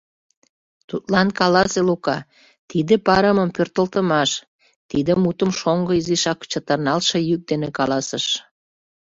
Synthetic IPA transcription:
t̪ut̪lɑnkɑlɑselukɑ | t̪id̪epɑɾəməmpørt̪əlt̪əmɑʃ | t̪id̪əmut̪əmʃoŋɡəiziʃɑkt͡ɕət̪ərnɑlʃejyk̚d̪enekɑlɑsəʃ

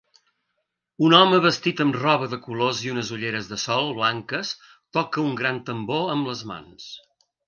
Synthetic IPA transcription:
unɔməβəst̪it̪əmrɔβəðəkuloziunəzuʎeɾəzðəsɔlˠβlaŋkəs | t̪ɔkəuŋɡɾant̪əmboəmbləzma̰ns

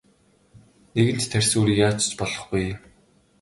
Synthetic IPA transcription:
neɣɘ̆n̥t̪t̪ʰærʲsoːɾijaːt͡ɕ̆t͡ɕpɔɮɞ̆χɡuj

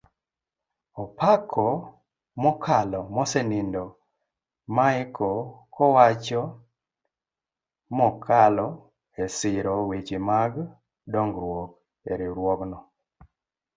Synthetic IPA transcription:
ɔpakʰɔ | mɔkʰalɔmɔsɛnindɔ | maɪkʰɔkʰɔwat͡ʃɔ | mɔkʰalɔ | esɪɾɔwit͡ʃimaɡ | dɔŋɡɾwɔk | eɾiɾwɔknɔ

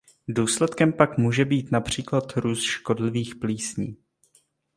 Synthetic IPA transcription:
duːslɛt̪kɛmpakmuːʒɛbiːt̪napr̝̥iːklat̪ɾuːsʃko̞dlɪviːxpliːsɲiː

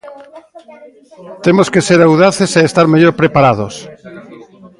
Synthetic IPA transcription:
t̪emoskeseɾawðaθeseest̪aɾmeʎoɾpɾepaɾað̞os

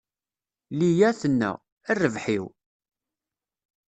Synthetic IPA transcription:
lijæθənːæ̰ | ærːəvħiw

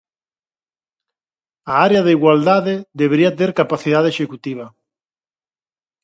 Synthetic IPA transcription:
aaɾeaðeiɣwald̪aðɪðeβeɾiat̪eɾkapaθiðaðeʃekut̪iβ̞ɐ

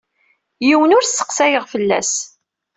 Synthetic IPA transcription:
jiwənʊɾə̥qsæjəʁfəlːæ̰s

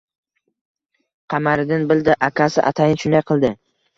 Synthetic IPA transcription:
qʰɑmaɾɪd̪ɪnbɪld̪ɪʔakʲʰasɪʔa̰t̪ʰajnʃʊnd̪ajqʰɨlˠd̪ɪ

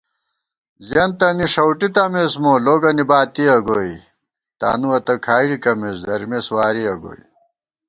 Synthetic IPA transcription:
zjɐnt̪ɐniʂɐwʈit̪ɐmesmoloːɡɐnibaːt̪iɐɡoj | t̪a̰ːnuwɐt̪ɐkʰaːiɽikɐmeːsd̪ɐɾmeswaːɾiɐɡo̰ːḭ

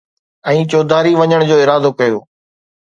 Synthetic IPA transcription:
ɛ̃ːt͡ɕoːd̪ʱaːɾiʋɐɲəɽ̃d͡ʑoːɪɾaːd̪okɐjoː

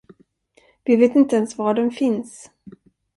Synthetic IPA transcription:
vɪveːt̪ɪnt̪əɛnsvaɖɛnfɪns

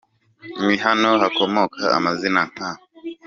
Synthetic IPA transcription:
mihanɔhakɔmɔkʰaa̰mazinaŋ̥a

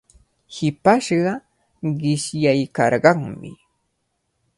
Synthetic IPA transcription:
hɪpaʃɢɑ | ɢɪʃjajkɑɾɢɑŋmɪ̰

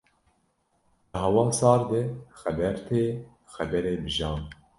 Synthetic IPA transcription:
d̪ɨɦɑwɑːsɑːɾd̪ɨxɛbɛɾt̪ʰeː | xɛbɛɾeːbɨʒɑːn

